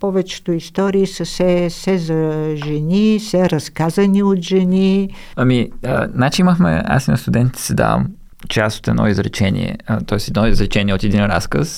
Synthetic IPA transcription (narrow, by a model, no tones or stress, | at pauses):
pɔvɛt͡ʃɛ̥t̪oist̪ɔɾiːsɐsɛsɛzɐʒɛnisɛɾɐskazɐniot̪ʒɛni | ɐmiənat͡ʃiiməxmɛ̰a̰sinɐst̪ud̪ɛnt̪it̪i̥sɛd̪a̰və̰m | t͡ʃɛaso̥t̪ɛd̪ʔɔ̰izɾɛt͡ʃɛnḭɛ̰t̪ɔɛsɛd̪nɔizɾɛt͡ʃɛniɛot̪ɛd̪inɾa̰skəs